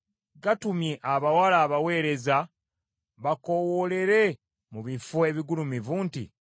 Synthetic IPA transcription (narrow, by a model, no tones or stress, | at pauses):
ɡatumjeʔaβawalaːβawe̞ːɾe̞za | βako̞wole̞ɾe̞ | muβifoeβiɡulumivuːntḭ